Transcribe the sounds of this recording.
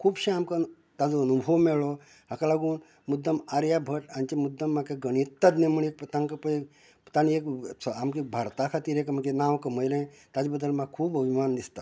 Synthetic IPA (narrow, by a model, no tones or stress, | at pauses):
kʰuːbɕẽamka | t̪ad͡zoənubʱəʋmeɭo | ɦakalaɡuːn | mud̪ʱːəmaɾjabʱəʈant͡ɕemud̪ːəmːakeɡəɽ̃it̪ːad̪nẽməɳek̚pt̪aŋkəpəe | t̪anieksʰamkikbʱaɾt̪akʰat̪iːɾekməkenawkəməjlẽ | t̪jat͡sbəd̪ːəlmakʰuːbəbʱimand̪ist̪a